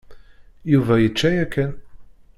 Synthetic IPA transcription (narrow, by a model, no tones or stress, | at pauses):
juvæjət͡ʃːæjækːæn